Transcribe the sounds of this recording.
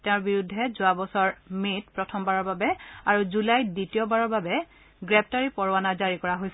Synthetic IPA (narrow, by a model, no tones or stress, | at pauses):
tɛʊ̃ɹbiɹudʱːɛzʊabɔsɔɹmet̚pɹɔtʰɔmbaɹɔɹbabɛaɹuzulajditijɔbaɹɔɹbabɛ | ɡɹɛp̚ʰtaɹipɔɹwanazaɹikɔɹaɦojs